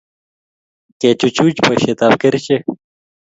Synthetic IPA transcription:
ket͡ɕut͡ɕut͡ɕpɐɕet̪aːbkɐɾit͡ɕe

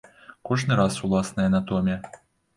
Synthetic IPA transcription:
kɔʐnɨɾasulˠasnɐjɐnat̪ɔmʲɐ

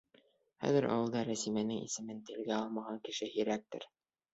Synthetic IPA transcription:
χæ̰ðɘɾʔɑ̰wɤ̆lˠd̪ɑɾæsimænɘŋḭsɘ̆mɘnt̪ɘ̆lɡæɑlˠmɑʁɑŋkɘ̆ʃɘhiɾæk̚t̪ɘ̰ɾ

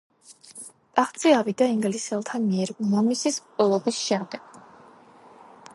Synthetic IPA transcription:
t̪ʼaχt̪sʼiavid̪aiŋɡlisɛlˠt̪ʰamiɛɾmɔmisispʼɛlˠɔbisʃɛmd̪ɛɡ̥̚

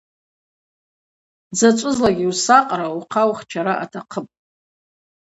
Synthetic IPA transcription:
d͡zat͡ʃʷʼʊzlaɡʲiusaqʼɾauqʰawχt͡ʃʰaɾaʔatʰaqʰəpʼ

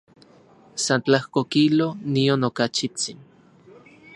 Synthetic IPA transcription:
sant͡ɬahkokilonionokat͡ʃit͡sin

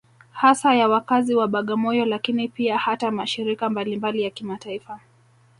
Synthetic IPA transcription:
hasajawakaziwaɓaɠamɔjɔlakinipiahatamaʃiɾikambalimbalijakimataifa

